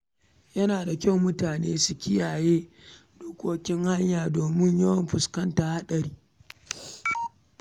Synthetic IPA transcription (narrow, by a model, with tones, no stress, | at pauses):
jɐ˦naː˨da˨kʲa˦˨wmʊ˦taː˨neː˦su˨kʲɪ˦jaː˨jeː˦ | ɗoː˦kʷoː˦kʲɪ˦ŋha˦ɲjaː˨doː˨mɪ˦ɲjɐ˦wɐ˦mɸʊ˨skɐ˦ntaː˨ha˦ɗɐ˨ɾiː˦